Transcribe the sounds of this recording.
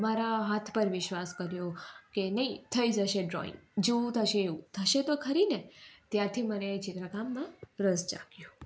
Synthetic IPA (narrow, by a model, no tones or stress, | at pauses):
maɾaɦat̪ʰpəɾʋɪʃʋaskəɾjokenəit̪ʰəid͡ʒəʃeɖɾo̰ḭ̃ŋɡd͡ʒeũt̪ʰəʃeːut̪ʰəʃet̪okʰəɾinet̪jaɾt̪ʰimənet͡ʃit̪ɾakamːãɾəzd͡ʒa̰kjũ